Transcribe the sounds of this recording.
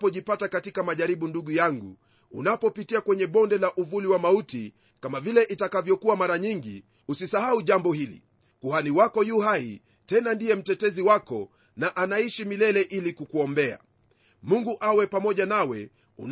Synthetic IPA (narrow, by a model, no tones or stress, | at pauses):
pɔʄipatakatikamaʄaɾiɓunduɠujaŋɡṵ | ṵnapɔpitiakwɛɲɛɓɔndɛlaʔuvuliwamauti | kamavilɛʔitakavjɔkuamaɾaɲiŋɡi | usisahauʄambɔhilḭ | kuhaniwakɔjuhai | tɛnandijɛm̩tɛtɛziwakɔ | naʔanaiʃimilɛlɛʔilikukuɔmbɛa̰ | muŋɡuʔawɛpamɔʄanawɛ̰ | ṵn